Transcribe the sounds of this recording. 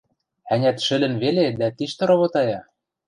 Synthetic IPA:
ænʲæt̪ʃɘ̆lɘ̆nβeled̪æt̪iʃt̪ɤ̆ɾŏβot̪ɑjɑ

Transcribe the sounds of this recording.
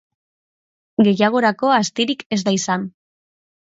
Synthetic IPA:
ɡe̞jaɣ̞o̞ɾako̞ast̪iɾike̞zd̪aisan

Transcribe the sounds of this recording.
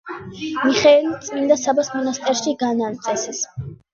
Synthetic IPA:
miχɛɛlit̪sʼmind̪asabasmɔnast̪ʼɛɾʃiɡanant̪sʼɛsɛs

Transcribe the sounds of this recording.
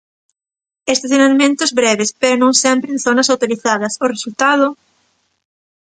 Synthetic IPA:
est̪aθjonalmẽnt̪ozβɾɛβespeɾonõŋsempɾẽnθonɐsawt̪oɾiθað̞ɐsoresult̪að̞ʊ

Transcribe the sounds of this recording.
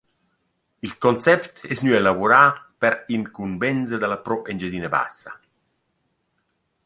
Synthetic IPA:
ilkɔnsɛpt̪ɛsnyːelavuɾaːpɛɾiŋkumbɛnzed̪alapɾɔʔend͡ʒed̪iːneba̰sːa̰

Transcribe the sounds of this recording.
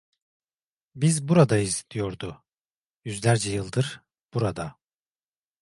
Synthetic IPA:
bizbuɾad̪ajizd̪ijo̞ɾd̪ʊ | jyzlʲæɾd͡ʒɛjɯlˠd̪ɯɾ̥ | b̥uɾad̪a

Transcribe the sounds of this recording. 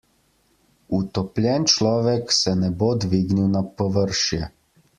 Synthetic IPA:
ut̪ɔplʲjɛnt͡ʃlɔːʋɛksɛnɛbod̪ʋiːɡniwnapɔʋəɾʃjɛ

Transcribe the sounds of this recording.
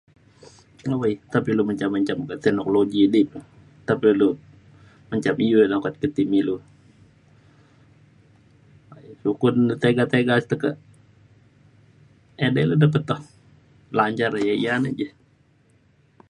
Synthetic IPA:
ŋawəjt̪apiluməɲt͡ʃamːəɲt͡ʃamkət̪ɛnokoloɡidi | t̪apilu | məɲt͡ʃamijolakat̪̚kət̪imilu | ajsukunt̪eɡat̪eɡast̪əkəʔ | edɛludapət̪ːɔh | laɲt͡ʃaɾjaijanəd͡ʒɛ

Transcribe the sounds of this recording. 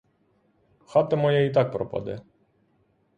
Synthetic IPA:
xat̪ɛmɔjɛit̪̬ak̚pɾɔ̰pa̰d̪ɛ̰

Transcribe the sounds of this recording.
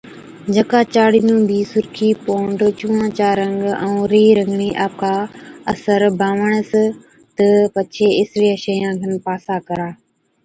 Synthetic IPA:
d͡ʒəkaːt͡ʃaːɽinũːbiːsʊɾkʰiːpoːɳɖt͡ʃũːãːt͡ʃaːɾəŋɡə̃ũːɾiːɾə̃ŋɡɳiːʔaːp̚kʰaːəsəɾbʱãːʋəɳ̃əs | t̪əpət͡ʃʰeːɪsliəʃəjãːɡʱənpaːsaːkəɾaː

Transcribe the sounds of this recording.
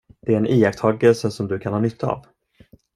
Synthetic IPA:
d̪̥ɛæɾɛnʔiːak̚t̪ʰɑːɡəlsəsɔmd̪ɵkʰanhɑːnʏt̪ʰːəa̰v

